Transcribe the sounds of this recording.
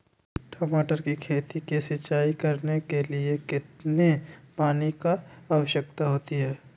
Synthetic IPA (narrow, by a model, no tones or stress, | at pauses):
ʈʰɔːmaːʈəɾkikʰeːt̪ikisɪt͡ʃːʃaːikɐɾnekeliekɪt̪nepaːnikaaʋəʃjəkt̪aɦoːt̪iɦɛː